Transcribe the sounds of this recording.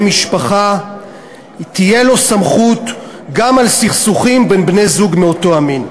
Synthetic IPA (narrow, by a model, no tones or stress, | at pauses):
miʃpaχa | itije̞lo̞samχut | ɡamalsiχsuχimbenbne̞jzuɡmeoto̞amin